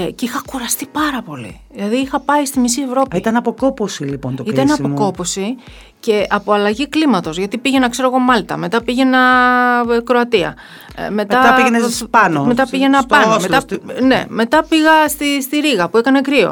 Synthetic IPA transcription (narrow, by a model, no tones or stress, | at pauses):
cixɐkuɾɐst̪ipɐɾɐpo̞lḭðilɐðiixɐpɐist̪imis̬ie̞vɾo̞pit̪ɐnɐpokoposilipont̪oit̪ɐnɐpoko̞po̞si | ce̞ʔɐpo̞ɐlɐʝiklimɐt̪o̞zʝɐt̪ipiʝe̞nɐkse̞ɾo̞ɣo̞mɐlt̪ɐ̰me̞t̪ɐpiʝe̞nɐ | kɾo̞ɐt̪iɐ̰ | me̞tmɐɐienepɐnome̞t̪ɐpiʝe̞nɐpɐnmet̪ɐne̞̰me̞t̪ɐpiɣɐst̪ist̪iɾiɣɐpuekɐne̞kɾio̞̰